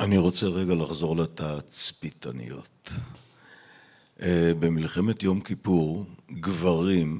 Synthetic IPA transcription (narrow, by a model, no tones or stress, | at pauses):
ʔaniʁo̞t͡seʁeɡalaχzo̞ʁletat͡spita̰nḭjo̰t | be̞milχe̞me̞tjo̞mkipuʁɡvaʁim